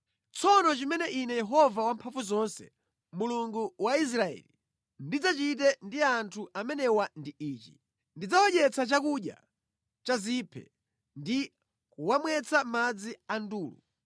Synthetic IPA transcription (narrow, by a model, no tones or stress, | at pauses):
t͡sʰɔnɔt͡ʃimɛnɛʔinɛjɛɦɔvawampʰaɱfuzɔnsɛ̰ | muluŋɡuwais̬ɾaɛ̰li | ndid͡zat͡ʃit̬ɛndiantʰuʔamɛnɛwandiiːt͡ʃi̥̰ | ndid͡zawaɗɛt͡sʰat͡ʃakuɗja̰ | t͡ʃazipʰɛ̰ | ndi | kuwamwɛt͡sʰamad͡zianduːlṵ